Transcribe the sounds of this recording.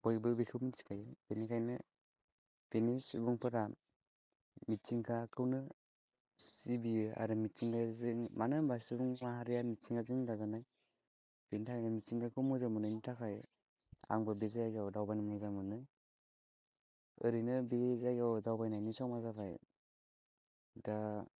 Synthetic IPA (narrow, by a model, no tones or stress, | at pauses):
bɔjbɯbekʰɯwmitsi̥ŋkʰajɯb̥enikʰajnɯ | b̥enisubuŋpʰɯɾa | mitsiŋkʰakʰɯwnɯ | sibia̰ɾɯmitsiŋkazɯŋmanɯbasɯbuŋmaɦaɾijamitsiŋɡazɯŋdazanaj | b̥enitʰakʰajnamitsiŋkʰakʰɯwmɯzamɯnɯnitʰakʰaj | a̰ŋbɯbezajaɡawdawbajnɯmɯzamɯnɯ | ɯɾinɯbezaɡawdawbajnajnisɔmazabaj | da